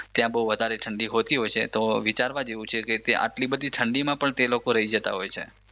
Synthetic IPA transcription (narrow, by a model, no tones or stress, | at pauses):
t̪jãbəɦuʋəd̪ʱaɾeʈʰəɳɖiɦot̪iɦojt͡ʃʰet̪oʋit͡ʃaɾʋad͡ʒeʋũt͡ʃʰeket̪eʔa̰ʈlibəd̪ʱiʈʰəɳɖimãpəɳt̪elokoɾəɦid͡ʒət̪a̰ɦojt͡ʃʰḛ